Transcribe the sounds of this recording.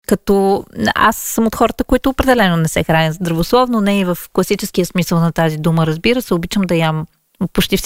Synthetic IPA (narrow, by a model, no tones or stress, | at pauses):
kɐt̪ɔa̰sːəmot̪xɔɾət̪əkoit̪ʊːpɾɛd̪ɛlɛnonɛsɛxɾanʲəzd̪ɾɐvoslˠɔvnonɛivəfklˠɐsit͡ʃɛsk̟ijəsmisəlˠnɐt̪azid̪uməɾɐzbiɾəsɛobit͡ʃəmd̪ɐjam | pot͡ʃt̪ifs